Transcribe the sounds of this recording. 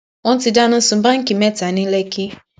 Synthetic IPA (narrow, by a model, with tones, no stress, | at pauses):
wɔ˦n̩˦ti˧da˦nʊ̃˦sʊ̃˨˦ba˦ŋ̩˦ki˨me˦ta˨nĩ˦le˦kɪ˦